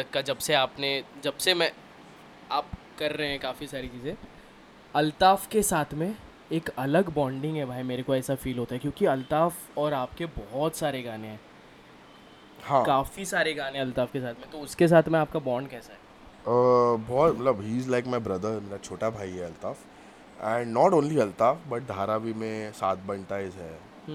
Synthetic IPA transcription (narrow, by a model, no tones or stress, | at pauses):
ɐkad͡ʒɐbseaːpned͡ʒɐbsemɛ̃ | aːp̚ | kɐɾːɐɦeɦɛ̃kaːfisaːɾit͡ʃiːzẽ | ɐlt̪aːfkesaːt̪ʰmẽ | eːkɐləɡbɔ̃ːɳɖɪ̃ŋɡɦɛbʱaːimeːɾekoɛːsafiːlɦoːt̪aɦɛkjõːkiɐlt̪aːf | ɔːɾaːp̚kebɔɦɔt̪saːɾeɡaːneɦɛ̃ː | hãːkaːfisaːɾeɡaːnẽɐlt̪aːfkesaːt̪ʰmẽt̪oʊskes̬aːt̪ʰmẽaːp̚kabɔːɾɳɖkɛːsaɦɛː | əbɔːt̪mɐt̪ləbɦiːzlaɪkmɛ̃bɾɐd̪əɾmeːɾat͡ʃʰoːʈabʱaːiɦɛɐlt̪aːf | ɛ̃ɳɖnɔːʈõːnliɐlt̪aːfbɐʈ̚d̪ʱaːɾabʱimẽsaːt̪̚bɐ̃ɳʈaɪzɦɛː